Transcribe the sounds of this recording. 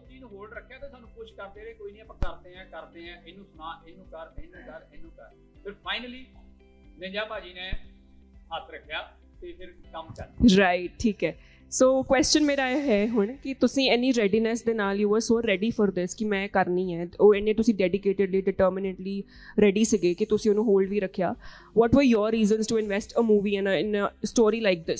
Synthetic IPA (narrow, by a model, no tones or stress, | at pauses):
d͡ʒinũːɦoːlɖɾəkʰːjaːt̪eːsaːnũːpʊʃkəɾd̪eːɾeːkoːiːnĩːəpə̃kəɾd̪eːɛ̃ːkəɾd̪eːɛ̃ːenũːsʊnaːnenũːkəɾeːnũːkəɾeːnũːkəɾ | pɪɾpʰaːɪnəliː | nẽːd͡ʒaːpaːd͡ʒiːnẽː | ɦət̪ʰɾəkʰːjaː | t̪eːpʰɪɾkəmkəɾɾaːɪʈʈʰːiːkɛː | soːkwɛːst͡ʃənmeːɾaːeɦɛːɦʊɳkɪt̪ʊsĩːɛːnːiːɾɛɖiːnɛsd̪eːnaːliʋɔːzsoːɾɛɖiːfʰɔːɾd̪ɪskɪmɛ̃ːkəɾniːɦɛːoːɛnːẽːt̪ʊsĩːɖɛːɖɪkeːʈɪɖliːɖɪʈəːɾmɪnə̃ɳʈliː | ɾɛːɖiːsəɡeːkɪt̪ʊsĩːʊnũːɦoːlɖʋiːɾəkʰːjaː | ʋɔːʈʋəɾjɔːɾɾiːzənsʈuɪ̃nʋɛsʈəmuːʋiːɛ̃nəɪnəsʈoːɾiːlaɪk̚d̪ɪs